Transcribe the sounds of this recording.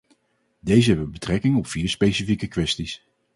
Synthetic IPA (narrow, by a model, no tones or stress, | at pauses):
dejzəɦɛbʋəbətrɛkɪŋɔpfiːɹspejsifikəkʋɛstis